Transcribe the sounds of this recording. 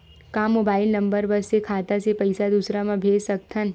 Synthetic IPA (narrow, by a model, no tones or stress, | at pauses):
kaːmoːbaːɪlnə̃mbəɾbəssekʰaːt̪asepɐɪsad̪uːsɾamãbʱeːsək̚t̪ʰən